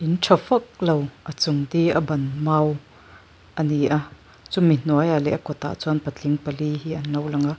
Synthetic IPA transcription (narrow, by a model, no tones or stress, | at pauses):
ʔinʈ͡ʂʰɔfɐk̚lowʔɐt͡sʊŋt̪iʔɐbɐnmaːw | ʔɐniʔa | t͡sumin̥uajalɛʔɐkɔt̪a̰ʔt͡suɐnpɐtt͡ɬiŋpɐliɦiʔɐnlɐwlɐŋa